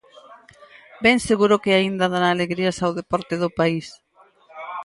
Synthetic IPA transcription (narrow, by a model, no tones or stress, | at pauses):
bɛŋseɣuɾʊkeaind̪aðaɾaːleɣɾiasawðepɔɾt̪eðʊpais